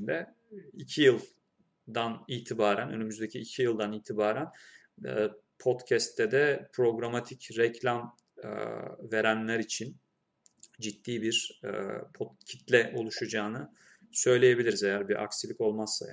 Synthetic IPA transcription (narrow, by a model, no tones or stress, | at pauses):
d̪ɛ | icʰijɯlˠ | d̪aniːt̪ʰibaːɾænø̞̰nymyzd̪e̞cʰiːcʰijɯlˠd̪aniːt̪ʰibaːɾæn̰ː | pʰo̞d̪cʰɛst̪ʰːɛd̪ɛpʰɾo̞ɡɾamat̪ʰicɾɛcʰlʲam̰ | ve̞ɾænlʲæɾit͡ʃʰin | d͡ʒit̪ːiːbiɾ̰ | pʰot̪cʰi̥t̪lʲɛʔo̞lˠuʃad͡ʒaːnɯ | sø̞jlʲe̞je̞bilʲiɾizejæɾbiɾʔa̰ksilʲiko̞lˠmasːa̰